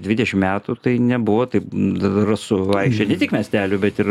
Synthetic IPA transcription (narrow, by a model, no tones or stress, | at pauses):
d̪ʲʋʲɪd̪ʲɛʃʲɪmmʲæːt̪uːt̪ɐɪnʲɛbʊʋoːt̪ɐɪpɐsʊɐɪkʃʲt͡ʃʲɛnʲɛt̪ʲɪkmʲɛsʲt̪ʲæːlʲʊbʲɛt̪ɪɾ